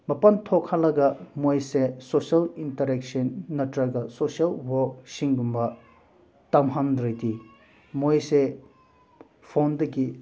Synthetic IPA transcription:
mɐpɐntʰɔkʰalɐɡɐmojsesosɐlintɐɾɛksɐnːɐtɾɐɡɐsosiɐlwɔk̚siŋɡumbɐ | tɐmɦɐndɾɐjti | mojse | pʰondɐɡi

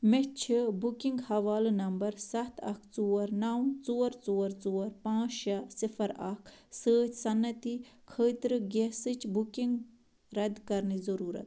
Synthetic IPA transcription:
met͡ʃʰibukiŋɡhɐʋaːlnɐmbɐɾsɐt̪ʰɐ̰kʰt͡suːɐɾnawmt͡soːɐɾt͡soːɐɾt͡soːɐɾpãːt͡ʃʃɐsifʰɐɾɐ̰kʰsəːt͡ʃʰsɐnːɐt̪ikʰəːt̪ɾɨɡesɨt͡ʃbukiŋɡ | ɾɐd̪kɐɾnizɐɾuːɾɐ̰t̪

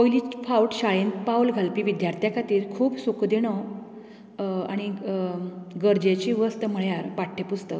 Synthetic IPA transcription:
pojliːfauʈɕaɭenpawlɡʱalpiːʋid̪jaɾt̪ʰjakʰat̪iːɾkʰuːpsukd̪iɽ̃ɔ | a̰ɽ̃i | ɡəɾd͡ʑet͡ɕiːʋəst̪əm̤əɭjaɾpaʈʰːepust̪ək

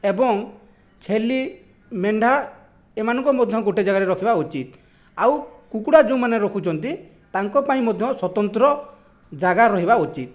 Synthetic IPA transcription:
ebɔŋ | t͡ʃʰeli | meɳɖʱa | emanɔŋkɔmɔd̪ʱjɔɡoʈed͡ʒaɡaɾeɾɔkʰibaut͡ʃit̪awkukuɽad͡ʒũmaneɾɔkʰut͡ʃʰɔnt̪i | t̪aŋkɔpaĩmɔd̪ʱjɔswɔt̪ɔnt̪ɾɔ | d͡ʒaɡaɾɔɦibaut͡ʃit̪̚

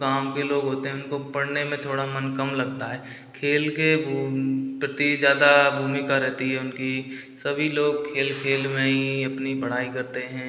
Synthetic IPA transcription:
ɡãːwkeloːɡɦoːt̪eɦɛ̃ʊnkopɐɽ̤nemẽt̪ʰoːɽamɐnkɐmlɐɡt̪aɦɛː | kʰeːlkebʱpɾɐt̪izjaːd̪abʱuːmɪkaɾɛɦt̪iɦɛʊnki | sɐbʱiloːɡ̚kʰeːlkʰeːlmẽiɐpnipəɽ̤aːikɐɾt̪eɦɛ̃

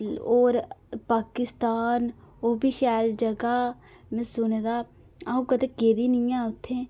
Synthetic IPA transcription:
oːɾpaːkɪst̪aːn | oːbʱiʃɛːld͡ʒəɡaː | mẽsʊned̪aː | aũkəd̪ekeːɾiːnijãʊt̪ʰːẽː

